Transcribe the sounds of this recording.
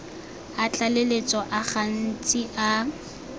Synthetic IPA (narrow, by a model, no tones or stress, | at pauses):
at͡ɬʼalelet͡sʼɔʔaχan̩t͡sʼiʔa